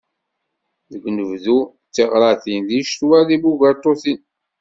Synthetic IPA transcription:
ðəɡnəvðu | t͡sːeʁɾˤɑθinðiʃt̪wæðibuɡəɾt̪ˤːoθin

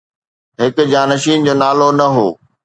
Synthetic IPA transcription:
ɦɪkʊ̆d͡ʑaːnɐʃiːnd͡ʑoːnaːlonɐɦoː

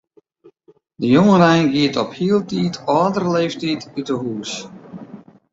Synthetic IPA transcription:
dəjʊŋəɾajnɡiːtɔphiːlˠtiːtɔdəɾleɪftiːtɪtəɦuːs

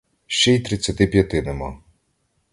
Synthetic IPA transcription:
ʃt͡ʃɛjt̪ɾɪt͡sʲːɐt̪ɪpʲjɐt̪ɪnemɔ

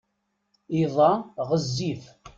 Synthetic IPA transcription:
iðˤɑʁəzːiv

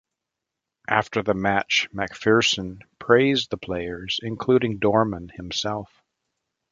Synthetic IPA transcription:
ʔæftə˞ðɨmæt͡ʃmækfɪɹsɨ̃npʰɹ̥eɪzðəpʰl̥eɪə˞z̥ɨ̃nkʰl̥uɾɪ̃ŋdɔɹmə̃nhɨ̃msɛlˠf

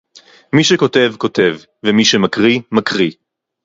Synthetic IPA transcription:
miʃeko̞te̞vko̞te̞v | vemiʃemakʁimakʁi

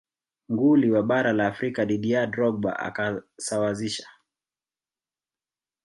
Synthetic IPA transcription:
ŋɡuliwaɓaɾalaːfɾikaɗiɗiadɾɔɡ̚ba̰ʔa̰kasawaziʃḁ

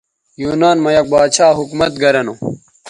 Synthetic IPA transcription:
juːnaːnmɐjɐk̚baːt͡ɕʰaːɦukmɐt̪̚ɡɐɾɐno

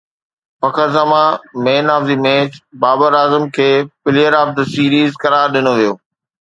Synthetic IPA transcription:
pɐkʰəɾzəmãmeːnaːfziːmẽːt͡ɕbaːbəɾaːzəmkʰeːpɪlijəɾaːf̚d̪əsiːɾiːzkɐɾaːɾɗɪnoʋijoː

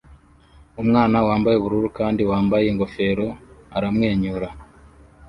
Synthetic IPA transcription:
umŋaːnawaːmbajeβuɾuɾukaːndiwaːmbajeŋɡo̞fe̞ːɾo̞aɾamŋe̞ːɲuɾa

